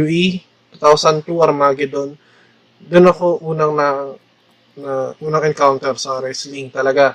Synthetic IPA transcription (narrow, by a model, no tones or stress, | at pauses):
uʔi | t̪u̥t̪awsɐnt̪uɐɾmaːɡɪd̪on | d̪ʊnɐko̞ʔuːnɐŋnɐ | nɐʔuːnɐŋɛnkawnt̪ɛɾsɐɾɛsliŋt̪ɐlɐɡa